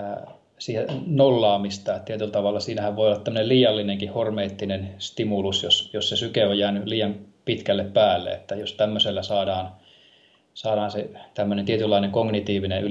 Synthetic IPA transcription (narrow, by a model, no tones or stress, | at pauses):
siːhenolːɑːmist̪ɑet̪iet̪ylt̪ɑʋɑlːɑsiːnæhæʋʋoˑiolːɑt̪æmːøneliːjɑlːineŋkihormeːt̪ːinenst̪imulusjosjossesykeojjæːnyliːjɑmpit̪kælːeppæːlːḛḛt̪ːæjost̪æmːøselːæsɑːdɑːn | sɑːdɑːnset̪æmːønent̪iet̪ylːɑineŋkoŋnit̪iːʋiney